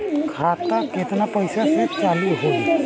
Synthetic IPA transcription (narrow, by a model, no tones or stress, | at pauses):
kʰat̪aket̪napəjsaset͡ʃaliɦo